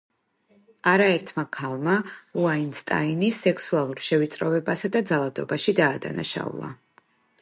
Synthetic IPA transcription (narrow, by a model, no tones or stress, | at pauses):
aɾaɛɾt̪ʰmakʰalˠmauainst̪ʼa̰inisːɛksualˠuɾʃɛvit̪sʼɾɔvɛbasad̪ad̪zalˠad̪ɔbaʃid̪aːd̪a̰na̰ʃa̰ṵlˠa̰